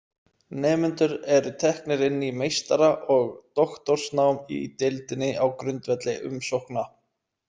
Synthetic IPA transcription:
nɛːmʏnt̪ʏɾɛɾʏt̪ʰɛhknɪɾɪnːimejst̪aɾaʔɔɣt̪ɔxt̪ɔr̥snawmḭt̪ɪlt̪ɪnːɪawkɾʏnt̪vɛt̪lɪʔʏ̰msowhkna

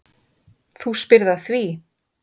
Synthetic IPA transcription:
θuspɪɾðaθvi

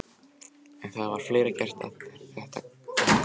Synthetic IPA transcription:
ɛnθaðvaɾ̥fleːɾɪcɛr̥t̪a̰ft̪ɪɾ̥ɛht̪a

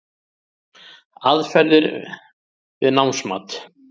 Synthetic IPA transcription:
aðfɛɾðɪɾ | vɪðnawmsma̰ːt̪

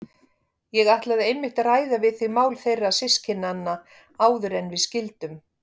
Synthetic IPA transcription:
jɛɣaht̪laðɪejmːɪht̪aɾaːjðavɪðθɪmaːwlθejrːasɪscʰɪnːanːa | aːwðʏɾɛnːvɪðscɪlt̪ʏm

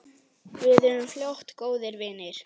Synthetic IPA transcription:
vɪðʏðʏmfljawht̪koːwðɪɾvɪːnɪɾ̥

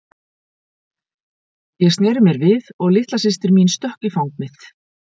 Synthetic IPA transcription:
jɛɣst̪nɛːɾʏmjɛɾvɪðɔɣlɪht̪lasɪst̪ɪɾminst̪œhcifawŋknɪθ

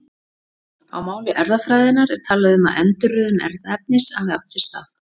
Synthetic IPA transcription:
a̰wmaːwlɪʔɛɾðafɾaːjðɪnaɾɛɾ̥t̪ʰaːlaðɪʏma̰ðɛnt̪ʏrːʏːðʏmɛ̰ɾðaɛp̚nɪsanɪa̰wt̪sɪst̪af

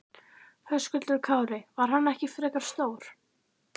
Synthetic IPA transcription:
hœskʏlʏɾkʰaːwɾɪvaɾ̥hanːɛhcɪfɾɛkaɾ̥st̪oːwɾ̥

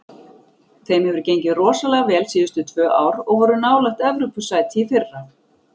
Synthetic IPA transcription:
θejmhɛvʏɾ̥cejɲcɪrɔːsalɛɣavɛːlsiːðʏst̪ʏt̪ʰvœːʔa̰ːwɾɔɣvɔɾʏnaːwlaht̪ɛvɾʏpʏsaːjt̪ʰifɪrːa

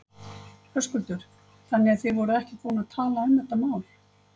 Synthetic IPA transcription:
fʰœskʏlt̪ʏɾ̥ | θanːɛaðθɪðvɔɾʏɛhcɪkvoːnaat̪ʰaːlaɛmɛht̪ːamaːwl

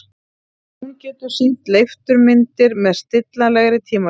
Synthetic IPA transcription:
huncɛːt̪ʏɾ̥sin̥t̪lejft̪ʏɾmɪnt̪ɪɾmɛðst̪ɪt̪lalɛɣɾɪt̪ʰiːma

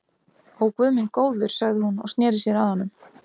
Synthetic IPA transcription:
owkvœːmɪnkoːwðʏɾ̥saɣðɪhunɔ̰ɣst̪nɛːɾɪsjɛɾaðhanːʏm

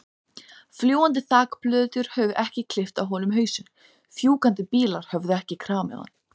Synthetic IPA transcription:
fljoːwant̪̬ɪθaːkplœːt̪ʏɾ̥hœvʏʔɛhcɪkʰlɪft̪awɦɔːnʏmɦœːɥsʏn | fjuːkant̪ɪpiːlaɾ̥hœvðʏɛhcɪkʰɾaːmɛ̰ða̰n

